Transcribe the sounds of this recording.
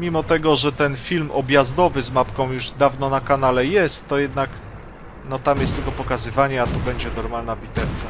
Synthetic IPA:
mʲimɔt̪ɛɡɔʐɛt̪ɛnfʲilmɔbʲjazd̪ɔvɘzmapkɔ̃w̃juʐd̪avnɔnakanalɛjɛst̪ːɔjɛd̪nak | nɔt̪amjɛst̪ɘlkɔpɔkazɘvaɲɛat̪ubɛɲd͡ʑɛnɔɾmalnabʲit̪ɛfka

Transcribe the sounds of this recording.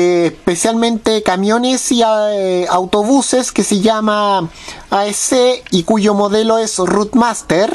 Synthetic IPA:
spesjalmẽnt̪ekamjo̞nesiaawt̪o̞βuseskeseʝama | aeseikuʝomoðeloesrut̪mast̪eɾ

